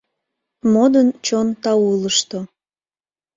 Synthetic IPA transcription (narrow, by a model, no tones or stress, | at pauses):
mod̪ənt͡ɕont̪ɑuləʃt̪o